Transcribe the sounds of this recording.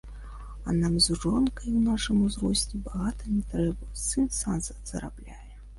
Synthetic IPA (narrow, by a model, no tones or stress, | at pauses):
ɐnamzʐɔnkɐjwnaʂɨmuzɾɔsʲt͡sʲibaɣat̪ɐnʲɛt̪ɾɛbɐsɨnsanzɐz̥ɐ̰ɾa̰blʲajɛ